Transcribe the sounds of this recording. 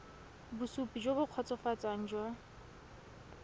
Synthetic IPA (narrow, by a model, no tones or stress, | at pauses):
busupʼid͡ʒwobʊq͡χʰɔt͡sʼɔfat͡sʼaŋ̩ːd͡ʒwa